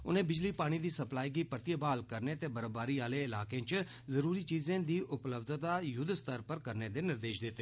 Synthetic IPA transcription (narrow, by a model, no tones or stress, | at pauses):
ʊ̰nẽːbɪd͡ʒliːpaːɽ̃iːd̪iːsəplaːiːɡiːpəɾt̪ɪjəbaːlkəɾneːt̪eːbəɾəbaːɾiːaːleːɪlaːkẽːt͡ʃ | zəɾuːɾiːt͡ʃiːzẽːd̪iːʔʊpləbd̪t̪aːjʊd̪st̪əɾpəɾkəɾneːd̪eːnɪɾd̪eːʃd̪ɪt̪ːeː